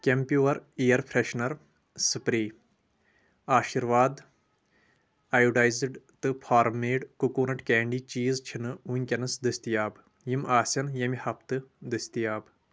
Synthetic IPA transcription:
kʲempʲjuːɐɾejɐɾpʰɾeʃnɐɾ | sɨpɾiː | aːʃiɾʋaːd̪ | aːjuɖajzɨɖt̪ɨpʰaːɾmeːɖkukuːnɐʈkɛːɳɖiːt͡ʃiːzt͡ʃʰinɨunʲkʲɐnɨsd̪ɨsʲt̪ijaːb | jimʔaːsʲɐnjɐmihɐp̚ʰt̪ɨd̪ɨsʲt̪ijaːb

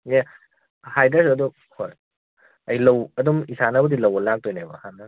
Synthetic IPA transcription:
ja | hajdɐsɐdu | hoj | ɐjlɐwɐdumisanɐbudilɐwɐlak̚tojnajbɐ̰hanːɐ

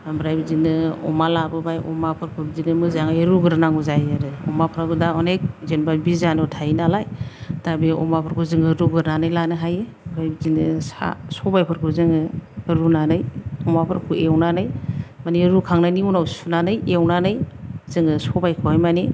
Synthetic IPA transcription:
bɾajbizinɯɔ̰malabɯbajɔmapʰɯɾkʰubizinɯmɯzaŋajɾuɡɯɾnaŋuzajaɾɯɔ̰mapʰɾaɡɯdaɔnek̚zenbabizanɯtʰajinalajtabiɔ̰mapʰɯɾkʰuzɯŋɯɾuɡɯɾnanɯjlanɯɦaje | bɾajbizinɯsa̰sɔbajpʰɯɾkʰuzɯŋɯɯɾunanɯjɔmapʰɯɾkʰuewnanɯjmaniɾukʰaŋnajniunawsunanɯjewnanɯjzɯŋɯsɔbajkʰɯwhajmani

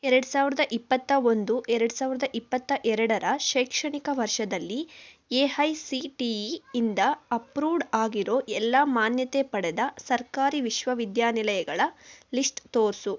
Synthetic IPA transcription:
ɛɾɐɽusaːʋiɾɐd̪ɐʔipːɐt̪ːɐo̞nd̪uʔɛɾɛɽusaːʋiɾɐd̪ɐʔipːɐt̪ːɐʔɛɾɐɽɐɾɐʃɛːkʂɐɳikɐʋɐɾʂɐd̪ɐlːieːɦɐjsiʈiːnd̪ɐɐpɾuːɖaːɡiɾoːʔɛlːɐmaːnjɐt̪epɐɽɛd̪ɐsɐɾkaːɾiʋiʃʋɐʋid̪jaːnilɐjɐɡɐɭɐlisʈt̪oːɾsu

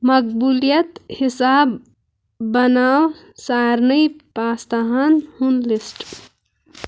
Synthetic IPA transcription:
mɐk̚buljət̪hisaːbː | ənaːw | saɾnəjpaːst̪aɦanhunlisʈ

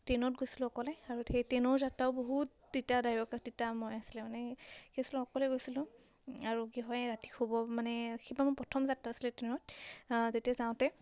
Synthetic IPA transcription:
tɹenɔt̚ɡojsilʊ̃ɔkɔlɛaɹuxejtɛnɔɹzatːaʊboɦut | ditadajɔkak̚titamɔjasilɛmanɛxesilʊ̃ɔkɔlɛɡojsilʊ̃ | aɹuɡiɦɔjɹati̥xobɔmanɛxebamʊpɔtʰɔmzatːaːsilɛtenɔt̚zetiazaw̃tɛ

